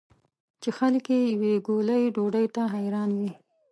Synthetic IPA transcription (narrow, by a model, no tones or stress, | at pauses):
t͡ʃexalkejaweɡoləjɖoɖəjt̪aɦajɾɑnwi